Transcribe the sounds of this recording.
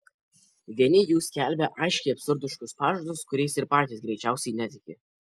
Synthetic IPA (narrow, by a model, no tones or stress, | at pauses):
ʋʲiɛnʲɪjuːskʲæˑlʲbʲɛʔɐɪʃʲkʲɛɪɐpʲsʊɾd̪ʊʃkʊspɑːʒod̪ʊskʊɾʲɛɪsɪɾpɑːt̪ʲiːsɡɾʲɛɪt͡ʃʲæˑʊsʲɛɪnʲɛt̪ʲɪkʲɪ